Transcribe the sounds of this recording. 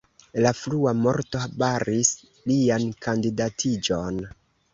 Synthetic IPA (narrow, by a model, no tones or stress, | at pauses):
lafluamo̞ɾto̞abaɾis | liankandidatʰid͡ʒon